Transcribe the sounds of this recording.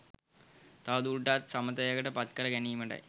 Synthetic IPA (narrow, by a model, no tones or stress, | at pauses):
t̪aːd̪uːɖːaːt̪sɐmɐt̪ːɐjaɡɐʈːɐpɐt̪kɐɾɐɡɐniːmɐɳɖɐ̰